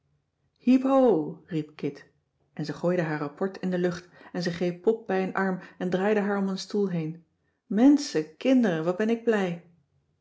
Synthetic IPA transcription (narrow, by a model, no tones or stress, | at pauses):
hipowrip̚kɪt | ʔɛnzəχoːjdəɦaːɹrapɔɹtɪndəlɵχtɛnzɛχrejpːɔp̚bɛjənʔɑɹmɛndraːjdəɦaːɹɔmənstulˠɦejn | mɛnsəkɪndəɾəʋɑt̚bɛnɪɡ̚blɛj